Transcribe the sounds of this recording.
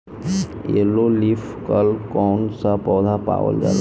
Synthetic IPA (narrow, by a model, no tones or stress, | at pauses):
ḛlolif | kəlkɔnsapɔwd̪ʱapa̰ʋə̰ld͡ʒa̰la